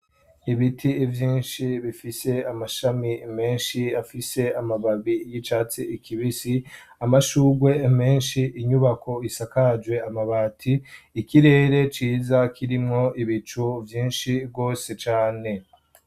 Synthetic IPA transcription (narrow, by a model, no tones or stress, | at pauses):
iβitʰivjiːnʃiβifise̞amaʃamime̞ːnʃiafise̞amaβaβijit͡ʃaːt͡siikʰiβisi | amaʃuːɡwe̞me̞ːnʃiʔiɲuβakʰo̞isakad͡ʒwe̞amaβaːtʰiːkiɾe̞ːɾe̞t͡ʃiːzakʰiɾimŋo̞iβit͡ʃuvjiːnʃib̚ɡo̞ːse̞t͡ʃaːne̞